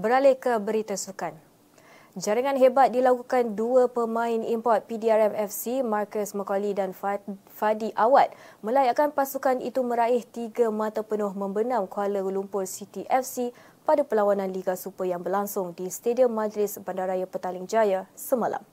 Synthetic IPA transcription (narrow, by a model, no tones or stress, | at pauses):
bəɾalekəbəɾit̪asukan | d͡ʒaɾiŋãnɦebat̪̚dilakukanduəpəmãɪnimpɔt̪̚pidiaɾɛmɛfsimarkəsməkalidan | fadiʔawat̪̚mə̃lajaʔkanpasukanḭt̪umə̃ɾaɪht̪iɡamat̪apənʊhmə̃mbənãmkualəɡəlumpʊrsit̪iʔɛfsi | padapəlawanãnliɡasupəjaŋbərlaŋsʊŋdisə̥t̪ediəmːãd͡ʒlɪsbandaɾajapət̪alɪŋd͡ʒajasəmãla̰m